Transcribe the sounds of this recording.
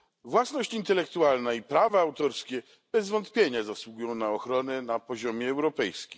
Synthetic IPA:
vwasnɔɕt͡ɕint̪ɛlɛkt̪ualnaipɾavaawt̪ɔɾskʲɛ | b̥ɛzvɔnt̪pʲjeɲazaswuɡujɔ̃w̃naɔxɾɔnɛnapɔʑɔmʲjɛːwɾɔpɛjskʲi

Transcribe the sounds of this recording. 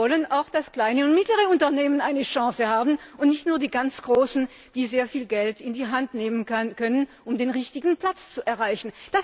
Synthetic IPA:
ɔlənaʊxd̥askl̥aɪnəʊntmɪtləʁ̞əʊntɐneːmənaɪnəʃɑ̃ːsəhaːbn̩ʊntnɪçtnuːɐdiːɡant͡sɡ̥ʁoːsn̩ | d̥iːzeːɐfiːlɡɛltɪndiːɦantneːmənkʰœnən | ʊmdeːnʁɪçtɪɡn̩pl̥at͡st͡suʔɛɐʁaɪçn̩d̥as

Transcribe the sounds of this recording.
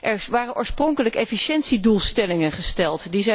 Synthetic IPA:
ʔɛɹʋaːrənʔoːɹsprɔŋkələkɛfiʃɛntsidulˠstɛlɪŋənχəstɛlˠtdizɛ

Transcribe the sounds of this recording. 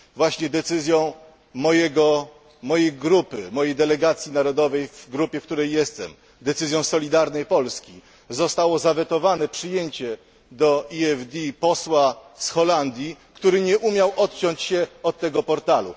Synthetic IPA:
vwaɕɲɛd̪ɛt̪sɘzʲjɔ̃w̃ | mɔjɛɡɔ | mɔjejɡɾupɘmɔjejd̪ɛlɛɡat̪sʲjinaɾɔd̪ɔvɛjvɡɾupʲjɛfk̚t̪uɾɛjːɛst̪ɛm | d̪ɛt̪sɘzʲjɔ̃w̃sɔlʲid̪aɾnɛjpɔlskʲi | zɔst̪awɔzavɛt̪ɔvanɛpʂɘjeɲt͡ɕɛ | d̪ɔiɛvd̪ʲipɔswasxɔland̪ʲjikt̪uɾɘɲɛʔumʲjawʔɔt̪̚t͡ɕɔɲt͡ɕɕɛɔt̪̚ːɛɡɔpɔɾt̪alṵ

